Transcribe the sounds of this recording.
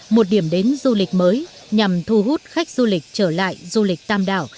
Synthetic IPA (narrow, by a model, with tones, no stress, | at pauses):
mo˨˩t̚ɗi˧˩əmɗe˨˦nzu˧lï˨˩k̟̚məː˨˦j | ɲa˨˩mt̪ʰu˧ɦu˦˥t̚xa˦˥jk̟̚z̥u˧lï˨˩k̟̚t͡ɕəː˧˩la̰ː˧˨jzu˧lï˨˩k̚t̪aː˧mɗa̰ː˧˩w